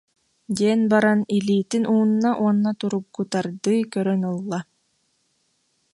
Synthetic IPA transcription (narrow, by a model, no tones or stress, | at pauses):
d̪iɛnbaɾaniliːt̪inʔuːnːaʔuɔnːat̪uɾuɡːut̪aɾd̪ɯːkœɾœnɯlˠːa